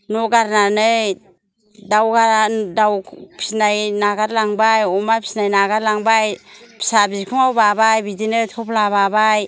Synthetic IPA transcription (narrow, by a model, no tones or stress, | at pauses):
nɔɡaɾnanɯ | dawɡaɾdawpʰi̥snajnaɡaɾlaŋbajɔmapʰi̥snajnaɡaɾlaŋbajpʰi̥sabizkʰuŋawbabajbidinɯtʰɔpʰlaβabaj